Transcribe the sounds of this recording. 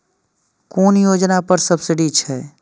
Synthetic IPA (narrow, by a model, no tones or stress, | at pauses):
koːnjoːd͡ʒnapəɾsəbsɪɖit͡ʃʰɛː